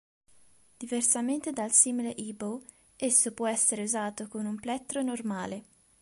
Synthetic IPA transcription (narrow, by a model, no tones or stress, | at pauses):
d̪̥iversament̪ed̪alsiːmileʔibow | esːopwɔɛsːeɾeuzaːt̪okonumplɛt̪ːɾonormaːle